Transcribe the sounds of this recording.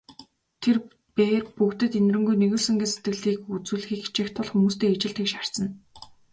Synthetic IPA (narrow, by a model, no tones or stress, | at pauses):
t̪ʰer | peːrpukt̪ɘ̆t̪en̆rɘ̆ŋɡujneɣɘ̆ɮsɵ̆ŋɡĕse̥t̪ɡɘ̆ɮiːkut͡sŭːɮ̆xiːkt͡ɕĭːxt̪ʰʊɮxumuːst̪eːat͡ɕɪ̆ɬt̪xĭːkʃar̥sə̆n